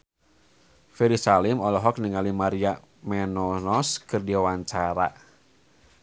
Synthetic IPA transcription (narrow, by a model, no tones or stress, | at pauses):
fɛɾisalɪmɔlɔɦɔk̚niŋalimaɾia | mɛnɔnɔskɨrdiawaɲt͡ʃaɾa̰